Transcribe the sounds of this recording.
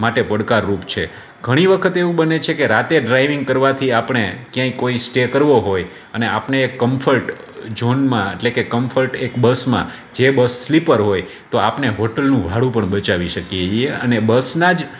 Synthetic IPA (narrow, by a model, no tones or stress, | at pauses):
maʈepəɽkaɾːupt͡ʃʰe | ɡʱəɽ̃iʋəkʰət̪eʋũbənet͡ʃʰekeɾat̪eɖɾajʋɪŋɡ̚kəɾʋat̪ʰiapɳ̃ekjãĩkoisʈekəɾʋoɦoj | əneapneːkːəmfʰəlʈ | d͡ʒonmãḛʈlekekəmfʰəlʈekbəsmã̰ | d͡ʒebəsːlipəɾɦoj | t̪oapneɦoʈəlnũʋʱaɽũpəɳbət͡ʃaʋiʃəkijeieə̰nebəsnad͡ʒ